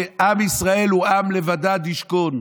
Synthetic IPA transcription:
ʔamisʁae̞luamlevad̪ad̪iʃkon

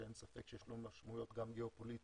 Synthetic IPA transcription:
ensafekʃejeʃlumaʃmujo̞t̪ɡamɡeopoli

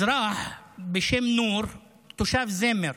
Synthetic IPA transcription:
ɾˤɑːħbɪʃɪmnuːɾ | t̪ʊʃaːfzemɪɾ

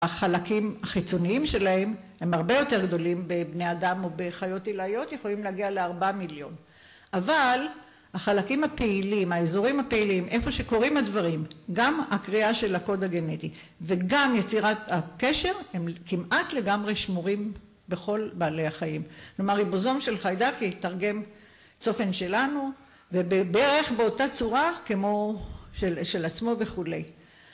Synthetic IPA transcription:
aχalakimhaχit͡so̞niimʃe̞lahe̞mhe̞mhaʁbe̞jo̞t̪e̞ʁɡd̪o̞limbe̞bnead̪amo̞beχajo̞t̪ilajo̞t̪je̞χo̞limleaɡialeaʁbamiljo̞n | ʔaval | haχalakimhapeilimaezoʁimhapeilimʔe̞fo̞ʃe̞ko̞ʁimadvaʁimɡamakʁiaʃe̞lako̞d̪aɡe̞net̪i | veɡamjet͡siʁat̪akeʃe̞ʁemkimʔatle̞ɡamʁe̞ʃmuʁim | be̞χo̞lbaːle̞jaχaimklo̞maʁibozo̞mʃe̞lχajdaketaʁɡe̞m | t͡so̞fe̞nʃe̞lanu | vebebeʁeχbeo̞tat͡suʁakemo̞ʃeʃe̞lat͡smo̞ve̞χule̞j

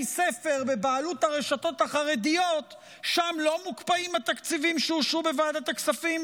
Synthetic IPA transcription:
se̞fe̞ʁbe̞baːluthaʁeʃato̞thaχaʁedijo̞t̪ | ʃamlo̞mukpaimhat̪akt͡sivimʃeuʃubevaːdat̪aksafim

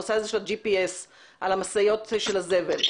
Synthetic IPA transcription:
osaezeʃead͡ʒipies | ʔalamasajo̞tʃelazevel

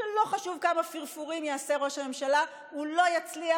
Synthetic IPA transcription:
lo̞χaʃuvkamafiʁfuʁimjaase̞ʁo̞ʃhame̞mʃala | ulo̞jat͡slia

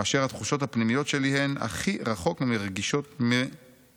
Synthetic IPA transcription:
aʃeʁhat̪χuʃo̞thapnimijo̞t̪ʃe̞lihena̰χiʁaχo̞kmimeʁɡiʃo̞t̪mi

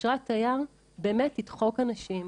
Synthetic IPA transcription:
ʁat̪ːajaʁ | be̞ːmetːidχo̞kanaʃim

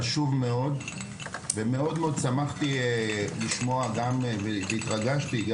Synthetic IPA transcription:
ʃuvmeo̞d̪ | veme̞o̞d̪meo̞d̪samaχt̪iliʃmo̞aɡamveveit̪ʁaɡaʃt̪iɡ

